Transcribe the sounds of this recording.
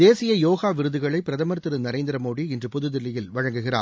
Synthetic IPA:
d̪eːsɪjɐjoːɣaːʋɪɾɯðɯɣɐɭɐɪpɪɾɐðɐmɐɾt̪ɯɾɯnɐɾeːnd̪ɪɾɐmoːɽiɪndrɯpʊðɯðɪlːɪjɪlʋɐɻɐŋɡɯɣɪra̰ː

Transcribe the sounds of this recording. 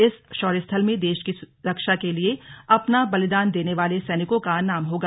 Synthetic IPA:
ɪsʃɔːɾjəst̪ʰəlmẽd̪eːʃkisɾɐkʃakelieɐpnabɐlɪd̪aːnd̪eːneʋaːlesɛːnɪkõkanaːmɦoːɡaː

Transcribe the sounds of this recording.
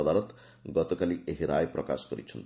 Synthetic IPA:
ɔd̪aɾɔt̪ | ɡɔt̪ɔkalieɦiɾajpɾɔ̰ka̰skɔɾḭt͡ʃʰɔnt̪i

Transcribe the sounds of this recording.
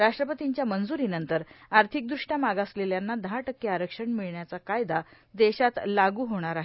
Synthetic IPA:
ɾaʂʈɾəpət̪iɲt͡ɕjamənd͡zuɾinənt̪əɾaɾt̪ʰik̚d̪ɾuʂʈjamaɡasleljanːad̪aʈəkːeaɾəkʂəɳmiɭɳjat͡sakajd̪a | d̪eɕat̪laɡuːɦoɽ̃aɾaɦe

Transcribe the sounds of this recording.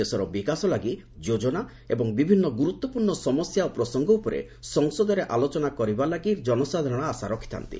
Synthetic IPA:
esɔɾɔbikasɔlaɡi | d͡ʒod͡ʒɔna | ḛbɔŋbibʱinːɔɡuɾut̪ːɔpuɾɳɔsɔmɔsjaopɾɔsɔŋɡɔupɔɾḛ | sɔŋsɔd̪ɔɾeʔalot͡ʃɔnakɔɾibalaɡiɾd͡ʒɔnɔsad̪ʱɔɔɽ̃aasaɾɔkʰi̥t̪a̰nt̪ḭ

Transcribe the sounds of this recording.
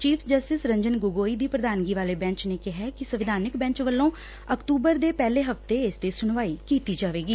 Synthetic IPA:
t͡ʃiːfʰd͡ʒəsʈɪsɾə̃ɲd͡ʒənɡʊɡoːiːd̪iːpɾəd̪aːnɡiːʋaːleːbɛ̃ːɲt͡ʃneːkɪɦɛːkɪsəʋɪd̪ʱaːnɪkbɛ̃ːɲt͡ʃʋəlːõː | əkʈ̪uːbəɾd̪eːpɛːleːɦəft̪eːɪst̪eːsʊnʋaːiːkiːt̪iːd͡ʒaːʋeːɡiː

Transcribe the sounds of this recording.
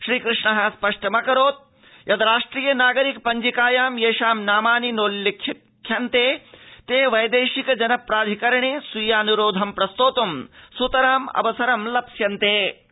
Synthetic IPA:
ʃɾiːkɾɨʂɳɐɦɐspɐʂʈɐmɐkɐɾoːt̪̚ | jʔɐd̪ɐɾaːʂʈɾiːjɐnaːɡɐɾik̚pɐɲd͡ʒikaːjaːmjeːʃaːmnaːmaːninoːlːɐkʰː | kʰːjɐnt̪eːt̪eːʋɐjd̪eːʃikɐd͡ʒɐnɐpɾaːd̪ʱikɐɾɐɳeːsʋijaːnuɾoːd̪ʱɐmpɾɐst̪oːt̪ɐmsut̪ɐɾaːmɐ̰ʋɐsɐɾɐmlɐpsjɐnt̪eː

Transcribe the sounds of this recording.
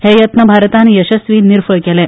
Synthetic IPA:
hejət̪nəbʱaɾt̪anjəɕəsʋiːniɾfəɭkɛlɛ̃

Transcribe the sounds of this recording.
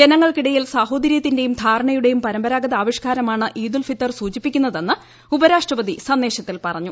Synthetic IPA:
d͡ʑe̞nɐŋːɐɭkiɽɐjilsaːɦo̞ːd̪ɐɾjɐt̪ːindejumd̪ʱaːɾɐɳɐjuɽe̞jumpɐɾɐmbɐɾaːɡɐðaːʋiʂkaːɾɐmaːɳɨʔiːd̪ulfit̪ːɐrsuːt͡ɕipːikʲːunːɐðe̞nːɨ | ubɐɾaːʂʈrɐʋɐd̪isɐnːeːɕɐt̪ːilpɐrɐɲːu

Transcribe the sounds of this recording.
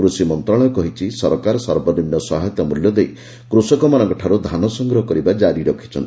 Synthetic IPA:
kɾusimɔnt̪ɾɔɽ̃ɔkɔɦit͡ʃʰisɔɾɔkaɾɔsɔɾbɔninjɔsɔɦajt̪ɔmuljɔd̪ej | kɾusɔkɔmanɔŋkɔʈʰaɾud̪ʱanɔsɔŋɡɾɔɦɔkɔɾibad͡ʒaɾiɾɔkʰi̥t͡ʃʰɔnt̪i

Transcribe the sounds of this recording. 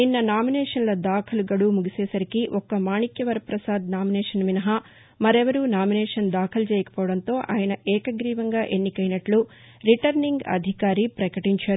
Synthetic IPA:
ninːɐnaːminɛːʂɐnlɐd̪aːkʰɐluɡɐɽumuɡisɛːsɐɾikiʔɔkɐmaːɳikjɐʋɐɾɐpɾɐsaːd̪naːminɛːʂɐnʋinɐɦɐ | mɐɾɛʋɐɾunaːminɛːʂɐnd̪aːkʰɐlut͡ʃɛːjɐkɐ̥pɔːʋɐɽɐnt̪o̞ːʔa̰ːjɐnɐʔɛːkɐɡɾiːʋɐŋɡaːʔe̞nːikɐjnɐʈlu | ɾiʈɐɾniŋɡɐ̰d̪ʱikaːɾipɾɐkɐʈiɲt͡ʃaːɾuu

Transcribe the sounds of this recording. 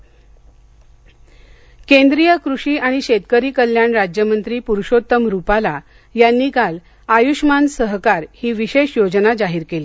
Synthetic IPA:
kend̪ɾijəkɾuɕiːaɽ̃iɕet̪kəɾiːkəljaɳɾad͡ʑjəmənt̪ɾiːpuɾʂot̪ːəmɾupala | janːiːkal | ajuʂmansəɦkaɾhiːʋiɕeɕjod͡znad͡zaɦiːɾkeliː

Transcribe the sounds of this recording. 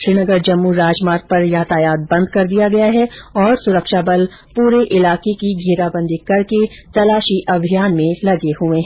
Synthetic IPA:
ʃɾinəɡəɾd͡ʒɐmːuɾaːd͡ʒmaːɾk̚pɐɾjaːt̪ʰaːjaːt̪̚bɐ̃nd̪kɐɾd̪ijaɡɐjaɦɛɔːɾsʊɾəkʃabɐl | puːɾeʔɪlaːkekiɡʱeːɾabɐ̃nd̪ikɐɾket̪ɐlaːʃiʔɐbʱijaːnmẽlɐɡeɦuẽɦɛ̃

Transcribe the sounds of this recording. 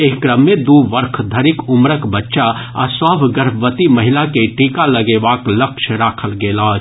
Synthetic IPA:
eːkɾəmːed̪uːʋəɾkʰd̪ʱəɾɪkʊmɾəkbətːʃaa̰swaːbʱɡəɾʋət̪imɐɦɪlakeʈiːkaləɡeːʋaːkləkʃʰɾaːkʰəlɡeːlaː

